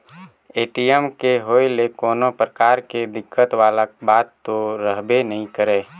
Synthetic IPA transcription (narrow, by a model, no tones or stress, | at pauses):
eːʈiɛmkeɦoːelekɔːnopɾəkaːɾked̪ɪkːət̪waːlabaːt̪ːoɾəɦbenəɦĩkəɾeː